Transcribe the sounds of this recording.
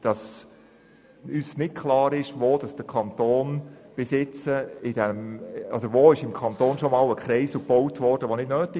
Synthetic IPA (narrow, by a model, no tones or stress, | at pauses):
d̥ɑs | ysnɪt̚kʰlɑːɾɪʃʋoːd̥ɑsd̥əkʰɑnt̪oːnb̥ɪsɪt͡səɪd̥ɛmɔ̰d̥̪əɾʋoɪʃɪmkʰɑnt̪oːnʃomɑːləkχɾɛɪsl̩kb̥ɔwtʋɔrd̥əʋonɪdnøːti